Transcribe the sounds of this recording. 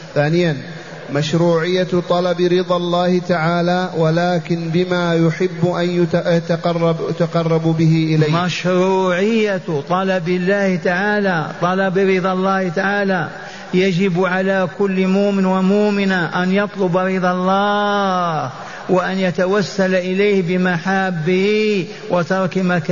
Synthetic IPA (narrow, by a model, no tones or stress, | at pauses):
θaːnɪjan | maʃɾuːʕɪjːat̪ˤɑlɑbɾɪðˤɑlˤːaːhɪt̪aʕaːlaːwalaːkɪnbɪmaːjʊħɪbːʔanjjat̪qɑrˤːt̪aqɑrˤːɑbbɪhɪʔɪlajːmaʃɾuːʕɪjːat̪ˤɑlɑbɪlːaːhɪt̪aʕaːlat̪ˤɑlɑbɪɾɪd̪ˤɑlˤːɑːht̪aʕaːla | jad͡ʒɪbʕalakʊlːmuːmɪnwamuːmɪnaʔanjɑt̪ˤlʊbɑɾɪd̪ˤɑlˤːɑːh | waʔanjat̪awasːalʔɪlajhbɪmaħaːbːɪhi | wɪt̪ɑɾˤkmaka